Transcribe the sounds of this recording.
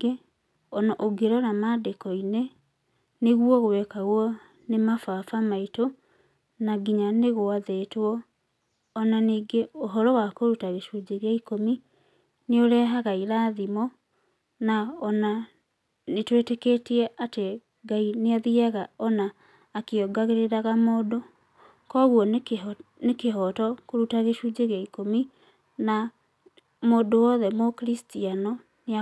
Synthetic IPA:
e | ɔnaʔoɡeɾɔnamadekɔine | neɣwɔɣowɛkaɣwɔ | nemafafamaito | naɡiɲaneɣoaðeːtwɔː | naniːɡeoɦɔɾɔwakoɾutaɣeʃud͡ʑeɣeaikomi | neoɾɛːɦaɣaiɾaːðimɔ | naɔna | netweteketiɛʔate | ɡaineaðiaɣaɔnaː | keɔɡaɣeɾeɾaɣamoːdo | kɔɣwɔnnekeɦɔtɔkoɾutaɣeʃud͡ʒeɣɛikomi | na | moːdowɔðɛmokɾistianɔ | nea

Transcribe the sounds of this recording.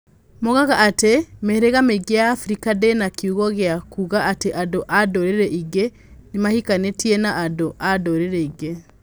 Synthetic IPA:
moɣaɣaʔatemeɾeɣameɡejaːfɾikadenakiuɣɔɣeakuɣaateʔadoʔadoɾeɾɛʔiɡe | nemahikanetienaʔadoʔadoɾeɾɛiɡe

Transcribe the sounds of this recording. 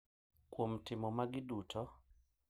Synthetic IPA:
kwomtɪmɔmaɡɪdutʰɔ

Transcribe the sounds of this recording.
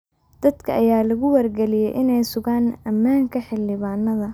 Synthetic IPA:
d̪̥ɐd̪kʰɐʔɐjaːlɐɣʊwɐrɡɛlɪjɛjʔɪnɛjsʊɣaːnɐmːaːŋkʰɐħɪlːɪβaːnːɐðɐ

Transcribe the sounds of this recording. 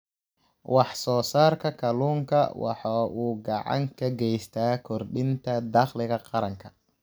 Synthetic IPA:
wɑħsɔːsaːrkʰɐkʰɐluːŋkʰɐ̰wɑ̰ħɑːʔuːɡɑʕɑ̰ŋkʰɐɡɛjst̪ʰaːkʰɔrɖɪnt̪ʰɐd̪ɑqlɪɣɐqɑɾɐŋkʰɐ̥

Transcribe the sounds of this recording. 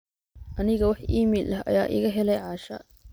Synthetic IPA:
ʔɐnɪɣɐwɑħʔiːmilʔɐɦɐ̰jaːʔɪ̰ɣɐɦɛlɛjʕɑːʃɐ̰

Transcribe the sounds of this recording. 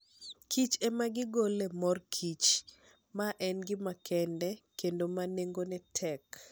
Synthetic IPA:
kʰit͡ʃɛmaɡɪɡolɛmɔrkʰit͡ʃ | maʔɛnɡɪmakʰɛndɛkendomaneŋɡonɛtʰɛk

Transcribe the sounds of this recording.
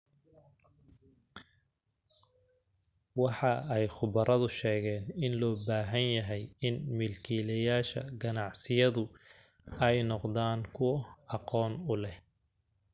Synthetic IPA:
wɑħɑɛjχʊβɐɾɐðʊʃɛːɣɛːnɪnlɔːbaːɦɐnjɐɦɛjɪnmɪlkʰiːlɐjaːʃɐ̰ɡɐnɑʕsɪjɐðʊ | ɛjnɔqd̪aːŋkʰʊwɐɑqɔːnʊlɛ

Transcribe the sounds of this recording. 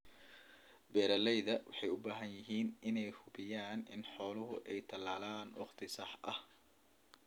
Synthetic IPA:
bɛːɾɐlɛjðɐwɑħɑjʊbaːɦɐnjɪɦiːnɪnɛjhʊbɪjaːnɪ̰nħɔːlʊɦʊʔɛjt̪ʰɐlaːlaːnwɑχt̪ʰɪsɑħʔɐh

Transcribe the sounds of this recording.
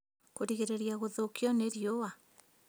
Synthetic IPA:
koɾiɣeɾeɾjaɣoðokiɔneɾjowa

